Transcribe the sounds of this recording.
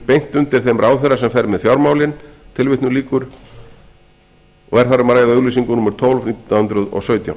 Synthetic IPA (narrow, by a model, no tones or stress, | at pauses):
pejŋ̥t̪ʏnt̪ɪɾ̥θejmɾʔaːwθeɾasɛmfɛjɾmɛðfjawɾmaːwlɪnt̪ʰɪlvɪht̪nʏliːkʏɾ | ɔ̰ɣɛɾ̥θaɾʏmaɾaːjaðaʏɣlisiŋkʏnʊmʏɾ̥t̪ʰɔlvniːt̪nahʏnt̪ɾʏðɔ̰sœːɥt̪ja̰w